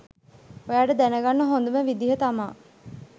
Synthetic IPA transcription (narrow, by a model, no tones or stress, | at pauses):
ojaːʈəd̪ænəɡanːəɦond̪uməʋid̪iɦət̪amaː